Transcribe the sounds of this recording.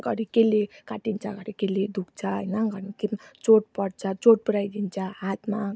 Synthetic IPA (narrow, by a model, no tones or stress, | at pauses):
ɡʌɾikelekaʈint͡sʰʌɡʌɾikeled̪ukt͡sʰʌɦʌjnʌɡʌɾket͡soʈ̚pʌɽt͡sʰʌt͡soʈ̚puɾajd̪int͡sʰʌɦat̪ʰma